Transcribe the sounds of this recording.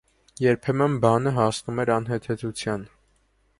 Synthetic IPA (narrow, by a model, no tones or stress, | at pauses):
jɛɾpʰɛmənbɑnəɦɑsnumɛɾɑnɦɛt̪ʰɛt͡sʰut͡sʰjɑn